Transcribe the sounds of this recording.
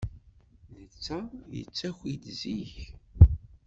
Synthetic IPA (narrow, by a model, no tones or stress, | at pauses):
nət͡sːæjə̰t͡sːæçʷid̪ziç